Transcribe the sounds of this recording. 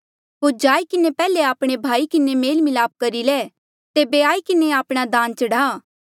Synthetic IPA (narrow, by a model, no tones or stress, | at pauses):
ɦoːɾd͡ʒaːikɪnepɛːleaːpɽ̃ebʱaːikɪnemeːlmɪlaːp̚kɐɾilɛː | t̪eːbeaːikɪneaːpɽ̃ad̪ãːnt͡ʃɐɽaː